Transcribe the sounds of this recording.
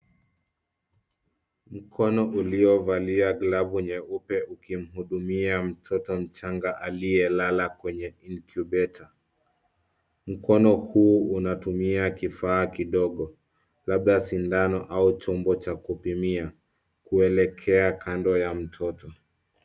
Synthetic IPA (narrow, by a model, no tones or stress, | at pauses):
m̩kʰɔnɔʔuliɔvaliaɡlavuɲɛupɛukim̩ɦuɗumiam̩tʰɔtɔm̩t͡ʃaŋɡaʔaliɛlalakwɛɲɛinkjubɛtʰa | m̩kɔnɔhuːunatumiakifaːkiɗɔɠɔ | laɓðasindanɔʔaut͡ʃɔmbɔt͡ʃakupimia | kuɛlɛkʰɛakʰandɔjam̩tʰɔtɔ